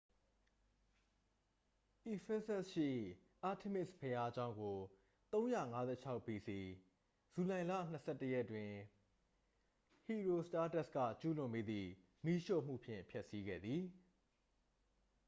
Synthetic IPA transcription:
ʔi˨fɛ˦sɛ˦sʃɪ̰˦˨ | ʔa˦˨tʰe˦˨mɪ˦˨spʰə˨ja˦d͡ʑã˦ʊ̃ŋɡo˨ | t̪õ˦ʊ̃ja̰˦˨ŋa˦zɛ̰˦˨t͡ɕʰa˦ʊpi˨si˨ | z̥u˨lã˨ɪ̃lä̰˦˨n̥əsʰɛ˦˨tːə˦jɛ˦ʔtwɪ̃˨ | hi˨ɹo˨sta˦tɛ˦˨skä̰˦˨t͡ɕu˦lʊ̃˨mpe˦d̪ðḭ˦˨ | mi˦ʃo̰˦˨m̥ṵ˦˨pʰjɪ̰̃˦˨mpʰjɛ˦ʔsi˦ɡɛ̰˦˨d̪ði˨

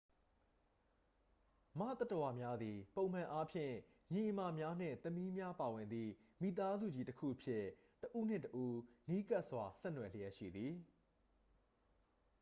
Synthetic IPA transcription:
mä̰˦˨t̪a˦tə˨wa˨mja˦d̪i˨põ˨ʊ̃m̥ã˨ʔa˦pʰjɪ̰̃˦˨ | jĩ˨ʔə˨ma˨mja˦n̥ɪ̰̃˦˨t̪əmi˦mja˦pa˨wɪ̃˨nd̪ḭ˦˨ | mi˦˨t̪a˦zṵ˦˨d͡ʑi˦˨təkʰṵ˦˨ʔəpʰjɪ˦˨ | təʔu˦˨n̥ɪ̰̃˦˨təʔu˦ni˦ka˦ʔswa˨sɛ˦˨nwɛ˨lə˦jɛ˦ʔʃḭ˦˨d̪ði˨

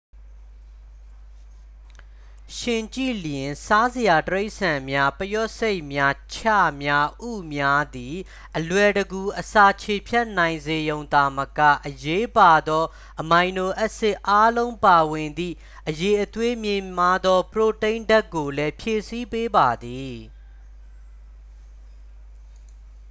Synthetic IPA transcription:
ʃɪ̃˨t͡ɕḭ˦˨ljɪ̃˨nsa˦zə˨ja˨təɹe˦ɪʔsã˨mja˦pəjɔ˦ʔse˦ɪʔmja˦t͡ɕʰa̰˦˨mja˦ʔṵ˦˨mja˦d̪i˨ | ʔəlwɛ˨ɾəɡu˨ʔəsa˨t͡ɕʰe˨pʰjɛ˦ʔn̥ã˨ɪ̃nze˨jõ˨ʊ̃nd̪a˨məkä̰˦˨ʔəje˦pa˨d̪ɔ˦ | ʔəmã˨ɪ̃no˨ʔɛ˦ʔsɪ˦ʔa˦lõ˦ʊ̃pa˨wɪ̃˨nd̪ḭ˦˨ | ʔəje˨ʔət̪we˦mjɪ̃˨ma˦d̪ɔ˦pəɹo˨tẽ˦ɪ̃nda˦kːo˨lɛ˦pʰje˨si˦pe˦ba˨d̪i˨

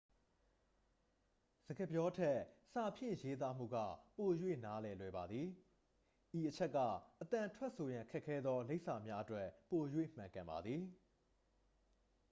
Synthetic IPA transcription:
z̥ə˨ɡə˨pjɔ˦tʰɛ˦sa˨pʰjɪ̰̃˦˨je˦t̪̬a˦m̥ṵ˦˨ɡa̰˦˨po˨jwḛ˦˨na˦lɛ˨lwɛ˨ba˨d̪ði˨ | ʔi˨ʔət͡ɕʰɛ˦ʔkːä̰˦˨ʔət̪ã˨ntʰwɛ˦ʔso˨jã˨kʰɛ˦ʔkʰːɛ˦d̪ðɔ˦le˦ɪʔsa˨mja˦ʔətwɛ˦ʔpo˨jwḛ˦˨m̥ã˨ŋkã˨mba̰˨d̪ði˨

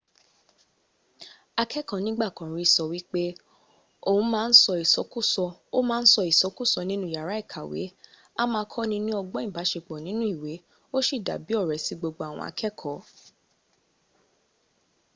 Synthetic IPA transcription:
a˧kʰɛ˦kɔ̃˨nĩ˨˦ɡ͡ba˦˨kɔ̃˨ɾ̃ĩ˨˧˦sɔ˧wi˦k͡pe˦ | o˦˨ũ˨˦mãː˦˧n̩˦sɔ˧i˨sɔ˨˦ku˦˨sɔ˧o˦mãː˦n̩˦sɔ˧i˨sɔ˨˦ku˦˨sɔ˧nĩ˦nũ˦˨ja˨ɾa˨˦i˦˨kʰa˨wḛ˨˦ | a˦mãː˧˦kʰɔ˦nĩ˧nũ˦ɔ˧ɡ͡bɔ˦ĩ˦˨ba˨˦ʃe˧˨k͡pɔ˨nĩ˨˦nũ˦i˦˨we˨˦ | o˦ʃi˦˨da̰˨bi˨˦ɔ˦˨ɾɛ˨si˨˦ɡ͡bo˧ɡ͡bo˧˦a˨w̃ɔ̰̃˧a̰˧kʰɛ˦kʰɔ̃˨˦

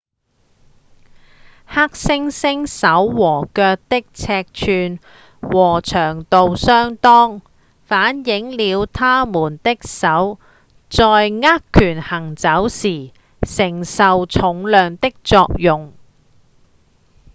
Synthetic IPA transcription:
ha˥k̚sɪ˥ŋsɪ˥ŋsɐ˨˥wːɔː˨˩kœː˧k̚t̪ɪ˥k̚t͡sʰɛː˧k̚t͡ʃʰyː˨˧n | wɔː˨˩t͡ʃʰœː˨˩ŋt̪o˨wsœː˥ŋt̪ɔː˥ŋ | faː˨˥njɪ˨˥ŋliː˨˧wt̪ʰaː˥muː˨˩nt̪ɪ˥k̚sɐ˨˥w | t͡sɔː˨˧jŋaː˥kkʰːyː˨˩nhɐ˨˩ŋt͡sɐ˨˥wsiː˨˩ | sɪ˨˩ŋsɐ˨wt͡sʰʊ˨˥ŋlœː˨˧ŋt̪ɪ˥k̚t͡sɔː˧k̚jʊ˨ŋ

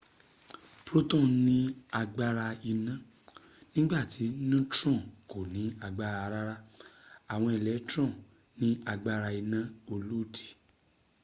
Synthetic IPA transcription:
pɾo˦tɔ̃˦˨nĩ˧˦a˧ɡ͡ba˧ɾa˧i˧nã˧˦ | nĩ˦ɡ͡ba˦˨ti˨˦nũ˦tɾɔ̃˦˨ko˨nĩ˨˦a˧ɡ͡ba˧ɾa˧ɾa˦ɾa˦a˨w̃ɔ̃˧i˨lɛ˨˦tɾɔ̃˦˨ | nĩ˦a˧ɡ͡ba˧ɾa˧i˧nã˦o˧lo˦˨di̥˨

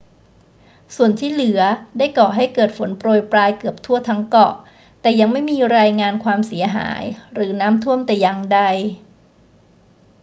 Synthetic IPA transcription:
su˨˩ənt̪ʰiː˥˩lɯ˩˦ɐdaː˥˩jkɔː˨˩ɦa˥˩jkɤː˨˩t̪̚fo˩˦npɾoː˨˩jpɾaː˧jkɯ˨˩əp̚t̪ʰu˥˩ɐt̪ʰa˦˥ŋkɔ˨˩ʔ | t̪ɛː˨˩ja˧ŋma˥˩jmiː˧ɾaː˧jŋaː˧nkʰwaː˧msi˩˦ɐɦa̰ː˩˦jɾɯː˩˦naː˦˥mt̪ʰu˥˩əmt̪ɛː˨˩ja˧ŋda˧j

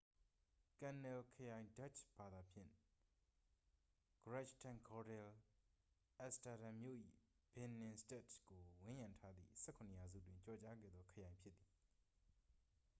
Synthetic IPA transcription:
kã˨nɛ˨lkʰəjã˨ɪ̃nda˦t͡ʃʰb̥a˨d̪a˨pʰjɪ̰̃˦˨ | ɡ̥əɹa˦t͡ʃtʰã˨ŋkʰɔ˨dɛ˨l | ʔɛ˦sta˨ɾã˨mjo̰˦˨ʔḭ˦˨ | b̥ɪ̃˨nɪ̃˨ste˦˨tɡ̥o˨wɪ̃˦jã˨ntʰa˦d̪ðḭ˦˨sɛ˦kʰʊ̃˨nə˨ja˨zṵ˦˨t̬wɪ̃˦ɲt͡ɕɔ˨t͡ɕa˦ɡɛ̰˦˨d̪ðɔ˦kʰə˨jã˨ɪ̃mpʰjɪ˦t̪t̪ːi˨

